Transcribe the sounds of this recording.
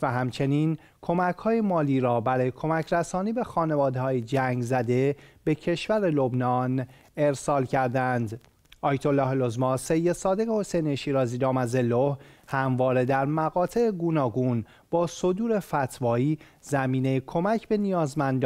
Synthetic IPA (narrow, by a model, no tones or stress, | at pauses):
væɦæmt͡ʃʰe̞niːn | kʰo̞mæcʰhɒːjemɒːliːɾɒːbæɾɒːjekʰo̞mæcʰɾæsɒːniːbe̞xɒːne̞vɒːd̪ehɒːjed͡ʒæŋɡzæd̪e̞b̥e̞cʰe̞ʃvæɾelo̞bnɒːn | e̞ɾsɒːlcʰæɾd̪ænd̪ | ʔɒːjt̪ʰo̞lːɒːhlo̞zmɒːsejːed̪sɒːd̪e̞ɣeho̞sejneʃiːɾɒːziːd̪ɒːmæzelohhæmvɒːɾe̞d̪æɾmæɣɒːt̪ʰe̞eɡuːnɒːɡuːn | b̥ɒːso̞d̪uːɾe̞fæt̪ʰvɒːiː | zæmiːnejekʰo̞mæcʰbe̞nijɒːzmænd̪